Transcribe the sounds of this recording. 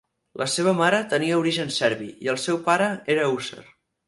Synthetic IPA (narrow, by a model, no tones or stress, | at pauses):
lʔəseβ̞əmaɾət̪əniəuɾiʒənsɛɾβiiəlˠsɛwpaɾəeɾəusə̰r